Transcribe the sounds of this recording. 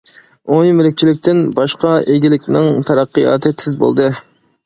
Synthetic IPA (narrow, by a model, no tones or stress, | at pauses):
onmɪlɪk̚ʲt͡ʃʰilɪk̚ʲt̪ʰɪnbɑʃqɑeɡʲilɪkʲnɪŋt̪ʰɑɾɑqːɨjɑ̰ːt̪ʰɨt̪ʰɪzbo̰lˠd̪ɨ